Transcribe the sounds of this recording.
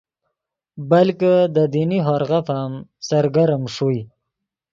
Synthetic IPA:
balkəd̪əd̪iniɦɑɾɣafamsaɾɡaɾmʂuj

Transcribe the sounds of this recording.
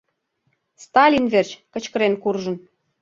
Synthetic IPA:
st̪ɑlʲinvert͡ɕkə̆t͡ɕkə̆ɾenkurʒə̆n

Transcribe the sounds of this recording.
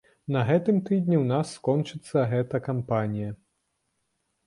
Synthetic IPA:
nɐɣɛt̪ɨmt̪ɨd̪ʲnʲiwnasːkɔnt͡ʂɨt̪sːɐɣɛt̪ɐkampanʲijɐ

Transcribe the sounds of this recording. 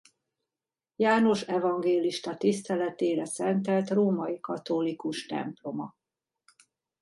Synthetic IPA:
jaːno̞ʃɛvɒŋɡeːliʃt̪ɒt̪ist̪ɛlɛt̪eːɾɛsɛnt̪ɛlt̪roːmɒjikɒt̪olikuʃt̪ɛ̰mplo̞mɒ

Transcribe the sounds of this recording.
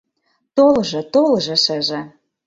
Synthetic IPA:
t̪olʒɤ̆t̪olʒɤ̆ʃə̆ʒĕ

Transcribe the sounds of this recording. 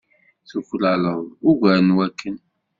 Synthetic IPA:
θuflaləðˤʊɡʷæɾnwækːən

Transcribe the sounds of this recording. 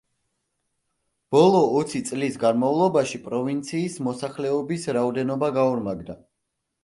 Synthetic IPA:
b̥ɔlˠɔːt̪sʰit̪sʼlisɡanmavlˠɔbaʃipʼɾɔvint̪sʰiːsmɔsaχlɛɔbisɾaɔd̪ɛnɔbaɡauɾmaɡd̪a

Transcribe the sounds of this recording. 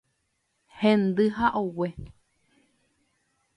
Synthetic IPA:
hẽnd̪ɨhaʔowe

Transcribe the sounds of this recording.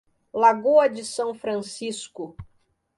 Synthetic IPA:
laɡoɐd͡ʒɪsɐ̃w̃fɾɐ̃siskʊ

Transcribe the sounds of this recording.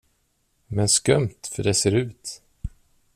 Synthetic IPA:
mɛnskœmt̪fœɖɛseːɾʉ̟ːt̪

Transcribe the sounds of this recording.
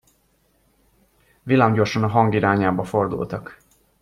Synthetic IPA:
vilaːmɟo̞rʃɒnɒɦɒŋɡiɾaːɲaːbɒfo̞rd̪ṵlt̪ɒk

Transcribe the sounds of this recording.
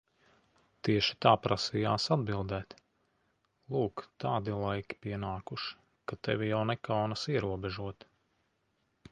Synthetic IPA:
t̪iɛʃi̥t̪aːpɾʔasijaːsad̪bilˠd̪ɛːt̪ | lˠuːkt̪aːd̪ilˠajkʲi̥piɛnaːkuʃ | kat̪ɛvʲijawnɛkawnasiɛɾuɔbɛʒuɔt̪

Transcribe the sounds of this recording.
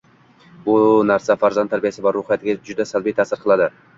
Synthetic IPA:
bʊnaɾsafaɾzant̪ʰːaɾbijasɪbɒɾːʊχijat̪ʰɪɡʲad͡ʒʊd̪asalˠbijt̪ʰasɪɾqʰɨlˠad̪ɪ

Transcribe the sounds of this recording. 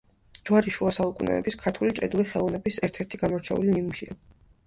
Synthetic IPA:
d͡ʒwaɾiʃuasaukʼunɛ̰ɛbiskʰaɾt̪ʰulit͡ʃʼɛ̰d̪uliχɛlˠɔnɛbisɛɾt̪ʰɛɾt̪ʰiɡamɔɾt͡ʃʰɛṵlimimuʃia

